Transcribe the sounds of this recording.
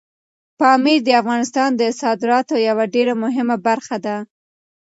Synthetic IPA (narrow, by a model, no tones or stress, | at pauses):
pɑmiɾd̪əafɣɑnɪst̪ɑnd̪əsɑd̪ɪɾɑt̪ojawaɖeɾamʊɦɪmabaɾxad̪a